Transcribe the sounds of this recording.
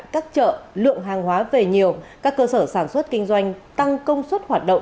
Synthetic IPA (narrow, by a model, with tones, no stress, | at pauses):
jkaː˦˥k̚t͡ɕə̰ː˧˨lɨ̰˧˨əŋɦaː˨˩ŋɦwaː˨˦ve˨˩ɲi˨˩əwkaː˦˥kːəː˧səː˧˩saː˧˩nswə˦˥t̚kï˧ŋ̟zwa˧jŋ̟t̪a˧ŋkə˧wŋ͡mswə˦˥t̚hwaː˨˩t̚ɗə̰˧˨ŋ͡m